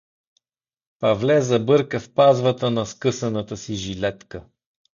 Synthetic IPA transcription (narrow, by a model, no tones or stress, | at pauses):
pɐvlɛzɐbɤɾkəfpazvət̪ənɐskɤsɐnət̪əsiʒilɛt̪kə